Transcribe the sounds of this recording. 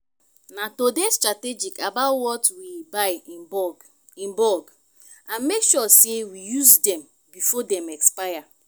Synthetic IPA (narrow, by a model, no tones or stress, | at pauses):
natodestɹated͡ʒikabaʊtwɔtwibaɪ | ĩmbɔɡ | ãnmekʃɔsewijuzdɛ̃m | bifɔdɛ̃mɛkspaja